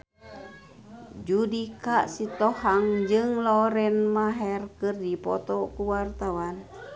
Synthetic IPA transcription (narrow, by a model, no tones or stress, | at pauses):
d͡ʒudikaʔsit̪ɔhaŋd͡ʒɨŋlɔɾɛnmaɦɛrkɨrdipɔ̰t̪ɔkuwart̪awan